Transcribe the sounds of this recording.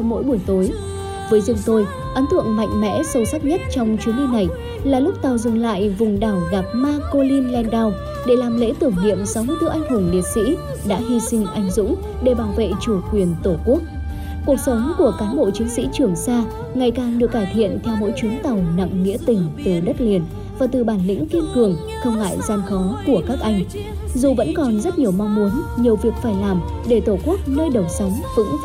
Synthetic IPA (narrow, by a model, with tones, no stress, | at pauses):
mo̰˧˥jɓu˧˩əjt̪o˨˦j | vəː˨˦jzɨ˨˩ŋ͡mt̪o˧j | ʔə˨˦nt̪ʰwə̰˧˨nma̰˧˨jŋ̟mɛ̰˧˥sə˧˩wsa˦˥k̚ɲə˦˥t̚t͡ɕɔ˧wŋ͡mt͡ɕwi˨˦ənli˧na˨˩j | laː˨˩lʊ˦˥k͡p̚t̪a˨˩wzɨ˨˩ŋla̰ː˧˨jvʊ˨˩ŋ͡mɗaː˧˩wɣa˨˩p̚maː˧ko˧li˧nlɛ˧nɗa˧w | ɗe˧˩laː˨˩mlḛ˧˥t̪ɨ˧˩əŋɲḭ˧˨əmsa˨˦wmɨ˧jt̪ʔa˧jŋ̟hɨ˧˩əŋɗi˨ət̚sḭ˧˥ | ɗa̰ː˧˥ɦi˧sï˧ŋ̟ʔa˧˩jŋ̟zʊ̰˧˥ŋ͡m | ɗe˧˩ɓaː˨˧˩wvḛ˧˨t͡ɕu˧˩kwi˨˩ənt̪o˧˩ku˦˥ək̚ | ku˨˩ək̚sə˨˦wŋ͡mku˧˩əkaː˨˦mɓo̰˧˨t͡ɕi˨˦ŋsḭ˧˥t͡ɕɨ˧˩əŋsaː˧ | ŋa˨˩jkaː˨˩nɗɨ˨˩əkːaː˧˩jt̪ʰḭ˧˨ənt̪ʰɛ˧wmo̰˧˥jt͡ɕwi˨˦ənt̪a˨˩wna̰˧˨ŋŋḭ˧˥t̪ï˨˩ŋ̟t̪ə˨˩ɗə˦˥t̚li˨˩ən | vaː˨˩t̪ɨ˨˩ɓaː˧˩nlḭ˧˥ŋ̟ki˧ənt̪ɨ˨˩əŋ | t̪ʰɨː˧ŋa̰ː˧˨jzaː˧nxɔ˨˦nku˧˩əkaː˦˥k̚ʔa˧jŋ̟ | zu˨˩və̰˧˥nkɔ˨˩nzə˦˥t̚ɲi˨˩əwma˧wŋ͡mmu˨˦ənɲi˨˩əwvi˨˩ək̚faː˧˩jlaː˨˩m | ɗe˧˩t̪o˧˩ku˦˥ək̚nəː˧jɗə˨˩wsə˨˦wŋ͡mvɨ̰˧˥ŋ